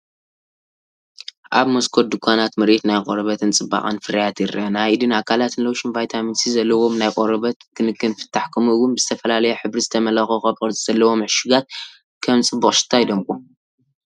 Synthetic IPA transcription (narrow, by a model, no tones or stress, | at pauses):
ʔaβmoskʰod̪ɨkʷʰanat̪mɨɾet̪najqʼoɾɐβɐt̪ʰɨnt͡sʼɨbːa̰χʼɐ̰nfɨɾɐjat̪ɪɾʔɐnaid̪ɨnakʰalat̪ɨnloʃinvajt̪ʰaminsizɐlːɐwo̞mnajkʼoɾɐβɐt̪kʰɨnɨkːɨnfɨ̥t̪ʰːaħkʰɨmuɨwʊnbɨzɨt̪ʰɐfɐlalɐjɛħɨβɾizɨt̪ʰɐmɐlɐxoxɐβʼɨzʼɨz̥ɐlːɐwo̞mɨʕʃɪɡat̪̚ | kʰɐmt͡sʼɨbːuχʼʃɨ̥t̪ʰːajd̪ɐmkʼu